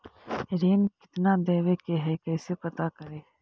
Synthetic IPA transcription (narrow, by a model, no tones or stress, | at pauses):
ɾeːnkɪ̥t̪nad̪eːʋekeɦɛkɛːsepɐt̪akəɾeː